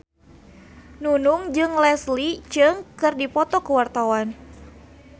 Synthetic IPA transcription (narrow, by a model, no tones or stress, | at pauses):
nunuŋd͡ʒɨŋlɛslit͡ʃɨŋkɨrdipɔt̪ɔkəwart̪awan